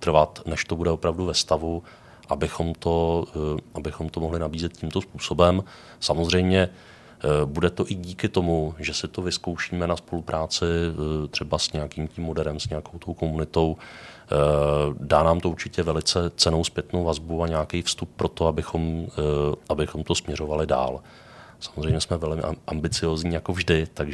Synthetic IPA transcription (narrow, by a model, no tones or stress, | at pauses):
t̪r̩vat̪nɛʃt̪o̞budɛopɾavduvɛst̪avu | ʔabɪxo̞mt̪o̞ | ʔabɪxo̞mt̪o̞moɦlɪnabiːzɛt̪̚ciːmt̪o̞spuːso̞bɛm | samozr̝ɛjmɲɛ | budɛt̪o̞ʔɪɟiːkɪt̪o̞muʒɛsɪt̪o̞vɪsko̞wʃiːmɛnaspo̞lupɾʔaːt͡sɪt̪r̥ɛbasɲɛjakiːmcimːo̞dɛɾɛmsɲɛjako̞wt̪o̞wko̞munɪt̪o̞w | daːnaːmt̪ouɾt͡ʃɪcɛvɛlɪt͡sɛt͡sɛno̞wspjɛt̪no̞wvazbuaɲɛakɛjfst̪up̚pːɾo̞t̪oabɪxo̞m | ʔabɪxo̞mt̪o̞smɲɛɾo̞valɪda̰ːl | sḁmozrɛjmɲɛsmɛvɛlmɪ̰ʔambɪt͡sɪjoːzɲiːjakovʒdɪt̪aɡ